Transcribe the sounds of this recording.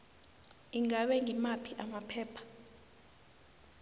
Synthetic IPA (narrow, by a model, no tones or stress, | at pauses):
iŋaɓɛŋimapʰiʔamapʰɛːpʰḁ